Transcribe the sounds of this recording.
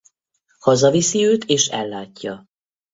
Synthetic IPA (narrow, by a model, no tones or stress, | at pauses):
hɒzɒvisiøːt̪ʰeːʃɛlːaːcːɒ